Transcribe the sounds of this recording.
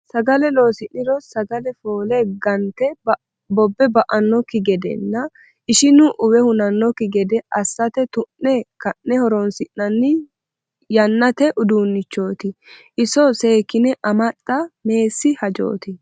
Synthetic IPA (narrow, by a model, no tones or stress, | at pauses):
sɐɡɐlɛlo̞ːsɪnːɪɾɔsɐɡɐlɛfo̞ːlɛɡɐnt̪ɛb | bɔbːɛbɐʔɐnːɔkɪɡɛd̪ɛ̰nːɐ | ɪʃɪnʊʔʊwɛhʊnɐnːɔkɪɡɛd̪ɛɐsːɐt̪ɛt̪ʊnːɛkɐnːɛhɔɾɔnsɪnːɐnːɪ | jɐnːɐt̪ɛʔʊd̪uːnːɪt͡ʃːo̞ːt̪ɪʔɪsɔseːkːɪnɛʔɐmɐt̪ʼːɐme̞ːsːɪhɐd͡ʒo̰ːt̪ɪ